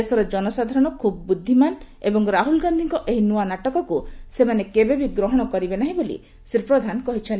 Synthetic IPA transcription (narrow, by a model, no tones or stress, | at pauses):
esɔɾed͡ʒɔnɔsad̪ʱaɾɔɽ̃ɔkʰubɔbud̪ʱːiman | ebɔŋɾaɦulɡand̪ʱiŋkɔʔeɦinuanaʈɔkɔkusemanekebebʱiɡɾɔɦɔɽ̃ɔkɔɾibenaɦĩbolḭ | siɾpɾɔd̪ʱankɔɦit͡ʃʰɔn